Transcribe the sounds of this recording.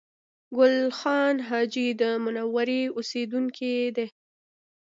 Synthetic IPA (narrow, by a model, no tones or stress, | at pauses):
ɡʊlxɑnɦɑd͡ʒid̪əmʊnawaɾiosed̪uŋkʰed̪e